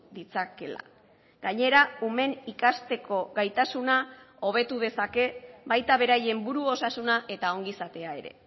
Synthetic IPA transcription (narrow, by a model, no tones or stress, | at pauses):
d̪it͡sake̞la̰ | ɡaɲe̞ɾaume̞nikast̪e̞ko̞ɣajt̪asunao̞β̞e̞t̪uðe̞sake̞βajt̪aβ̞e̞ɾaje̞mbuɾuo̞sasunaʔe̞t̪ao̞ŋɡisat̪e̞ae̞ɾe̞̰